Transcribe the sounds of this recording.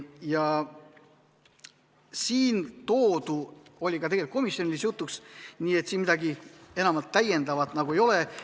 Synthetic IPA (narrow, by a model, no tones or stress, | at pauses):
jɑ | siːnt̪o̞ːd̪uo̞lʲikɑt̪eɡe̞lit̪ko̞misjo̞nʲilisjut̪ːˑuksniːe̞t̪ːsiːnmid̪̥ɑɡie̞nɑmɑlt̪ːæjːe̞nd̪ɑvɑt̪nɑɡue̞jo̞le̞